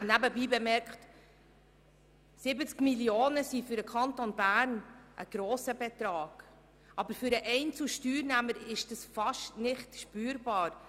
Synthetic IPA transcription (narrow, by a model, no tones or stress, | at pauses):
næbəbiːbɛmɛɾkχt | sɪbət͡skmiljoːnəsifʏɾəkʰχɑntonbæːɾnʔə̰ɡ̥ɾoːsəbɛt̪ɾɑːɡ̥ | ʔɑbəɾfʏɾəʔɛɪnt͡suʃtyːɾnæməɾɪʃd̥ɑsfɑʃtnɪχtʃpyːɾbɑːɾ